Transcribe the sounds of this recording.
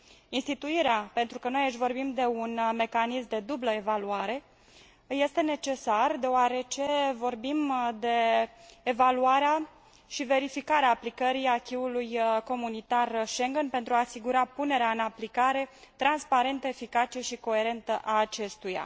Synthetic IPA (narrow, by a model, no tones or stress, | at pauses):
inst̪it̪uiɾeape̞nt̪ɾukəno̞jaʃ̬vo̞rbimd̪e̞unme̞kanismd̪e̞d̪ubləe̞valuaɾe̞ | je̞st̪e̞ne̞t͡ʃe̞sard̪e̞oaɾe̞t͡ʃe̞vo̞rbimd̪e̞ː | valuaɾea | ʃive̞ɾifikaɾeaːplikəɾiakʲiulujko̞munit̪arʃe̞ŋɡənpe̞nt̪ɾuaːsiɡuɾapune̞ɾeaɨnaplikaɾe̞t̪ɾanspaɾe̞nt̪əefikat͡ʃeʃiko̞e̞ɾe̞nt̪əʔaːt͡ʃe̞st̪uja̰